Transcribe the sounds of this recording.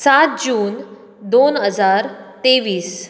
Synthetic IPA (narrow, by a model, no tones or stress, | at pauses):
sat̪̚d͡ʑuːn | d̪onɦəd͡zaɾt̪eʋiːs